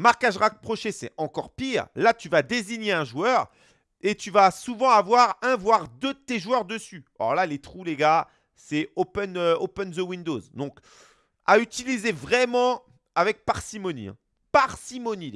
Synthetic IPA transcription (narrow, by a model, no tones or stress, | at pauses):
maʁkaʒʁak̚pχɔʃesɛ̰ɑ̃kɔʁpiːʁlat̪yvad̪eziɲeɛ̃ʒuœʁ | et̪yvasuvɑ̃avwaʁɛ̃vwaʁd̪ød̪ət̪eʒuœʁd̪əsyɔ̰ʁlalet̪χuleɡa | sɛopɛnøopɛnzəwĩnd̪ozd̪ɔ̃k | ayt̪ilizevʁɛmɑ̃ | avɛk̚paʁsimɔnḭɛ̰̃ | paʁsimɔni